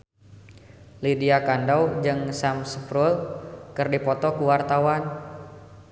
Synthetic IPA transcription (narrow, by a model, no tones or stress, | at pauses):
lidiakandawd͡ʒɨŋsamsəfɾulkɨrdipɔt̪ɔkuwart̪awan